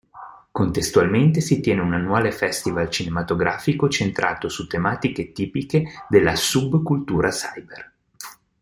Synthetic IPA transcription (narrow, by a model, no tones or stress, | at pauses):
kont̪est̪ualment̪̬esit̪jɛːneunanːuaːlefɛst̪ivalt͡ʃinemat̪oɡɾaːfikot͡ʃent̪ɾʔa̰ːt̪osut̪ːemaːt̪iket̪iːpiked̪elːasubkult̪uːɾasajber